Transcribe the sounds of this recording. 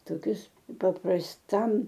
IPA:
toːˈkʲʊs pɐprɐsˈtɐm

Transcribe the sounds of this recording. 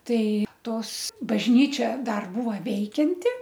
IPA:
ˈtɐɪ ˈtoːs bɐʒʲˈnʲiːt͡ʃʲɛ ˈdɐr ˈbuːʋɐ ˈʋʲɛɪkʲɛnʲtʲɪ

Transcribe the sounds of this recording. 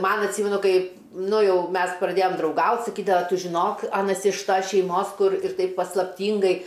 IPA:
ˈmɐn ɐtʲˈsʲiːmʲɛnʊ ˈkɐɪ ˈnʊ ˈjɛʊ ˈmʲɛs prɐˈdʲeːjoːm drɐʊˈɡɐʊtʲ sɐˈkʲiːdɐʋɐ ˈtʊ ʒʲɪˈnoːk ˈɑːnɐs ɪʃ ˈtɐs ʃʲɛɪˈmoːs ˈkʊr ɪr ˈtɐɪp pɐslˠɐpʲˈtʲiːŋɡɐɪ

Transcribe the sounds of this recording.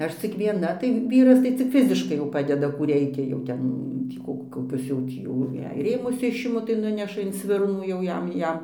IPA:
ˈɐʃ t͡sʲɪk ʋʲiɛˈnɐ tɐɪ ˈʋʲiːrɐs tɐɪ t͡sʲɪk ˈfʲɪzʲɪʃkɐɪ jɛʊ ˈpɑːdʲɛdɐ ˈkuː ˈrʲɛɪkʲɛ jɛʊ ˈtʲɛp ˈtʲiː koː koːˈkʲʊs jɛʊ ˈtʲiː jɛʊ jɛɪ ˈrʲeːmʊs ˈɪʃʲɪmʊ tɐɪ ˈnʊnʲɛʃɐ ɪn ˈsʲʋʲɪrnuː jɛʊ ˈjɛm ˈjɛm

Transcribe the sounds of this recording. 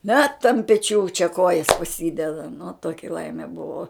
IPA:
nʲɛt ɐnt pʲɛˈt͡ʃʲuː t͡ʃʲɛ ˈkoːjɛs pɐˈsʲiːdʲɛdɐ nʊ ˈtoːkʲɪ ˈlˠɐɪmʲɛ ˈbʊʋoː

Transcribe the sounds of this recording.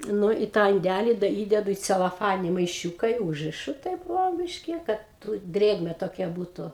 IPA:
ˈnʊ ɪ tɑː ɪnʲˈdʲælʲɪ dɐ ˈiːdʲɛdʊ iː t͡sʲɛlˠoːˈfɑːnʲɪnʲɪ mɐɪˈʃʲuːkɐ ɪ ˈuːʒʲrʲɪʃʊ tɐɪp ˈʋoː ˈbʲiːʃʲkʲɪ ˈkɐt tʊ ˈdʲrʲeːɡmʲɛ toːˈkʲɛ ˈbuːtʊ

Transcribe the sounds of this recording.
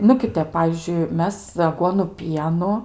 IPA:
nʊ ˈkʲɪˈtʲɛp ˈpɑːʋʲiːzʲd͡ʒʲʊɪ ˈmʲɛs ɐˈɡuɔnʊ ˈpʲiɛnʊ

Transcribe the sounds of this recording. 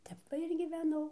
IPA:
ˈtʲɛp ʋɐ ɪr ɡʲiːʋʲɛˈnɐʊ

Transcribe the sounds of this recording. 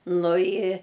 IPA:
nʊ ɪ

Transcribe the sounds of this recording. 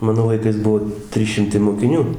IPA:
ˈmɑːnoː lˠɐɪˈkɐɪs ˈbuɔ ˈtʲrʲiːs ˈʃʲɪmtɐɪ moːkʲɪˈnʲuː

